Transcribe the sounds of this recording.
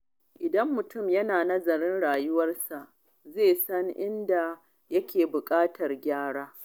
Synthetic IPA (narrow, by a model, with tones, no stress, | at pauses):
ʔɪ˨dɐ˦mːʊ˨tʊ˦˨mjɐ˦naː˨nɐ˦zɐ˨ɾɪ˦nɽaː˨jʊ˦wɐ˦rsa˨ʔ | zeː˦˨sɐ˦ŋʔɪ˦nda˨ | jɐ˦kʲeː˨bʊ˨kʼaː˦tʰɐ˨rɡʲaː˦ɽaː˦